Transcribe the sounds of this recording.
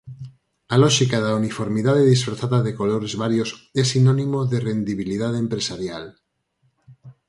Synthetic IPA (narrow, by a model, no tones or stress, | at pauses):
aloʃikaðaunifoɾmiðaðeðisfɾaθaðaðekoloɾezβaɾjosesinonimoðerend̪iβ̞ilið̞aðempɾesaɾjal